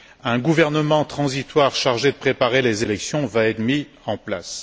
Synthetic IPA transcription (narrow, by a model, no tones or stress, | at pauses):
ɛ̃ɡuvɛʁnəmɑ̃t̪χɑ̃zit̪waʁʃaʁʒed̪əpχepaʁelezelɛksjɔ̃vaɛt̪mi | ɑ̃pla̰s